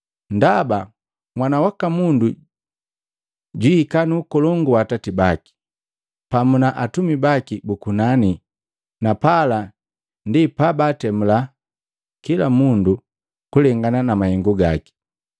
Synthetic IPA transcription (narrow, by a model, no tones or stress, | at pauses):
ndaba | mwanawakamundu | ɟwiːkanuːkɔlɔŋɡuwatatibaki̥ | pamunaʔatumibakibukunani | napala | ndipabatɛmula | kilamundu | kulɛŋɡananamahɛŋɡuɡaki̥